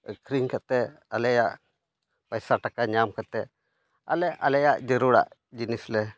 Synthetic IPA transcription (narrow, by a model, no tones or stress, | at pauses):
kɾiŋkat̪ɛalɛjaʔ | pajsaʈakaɲamkat̪ɛ | a̰lɛʔa̰lɛjaʔd͡ʒəɾuɽa̰ʔd͡ʒinislɛ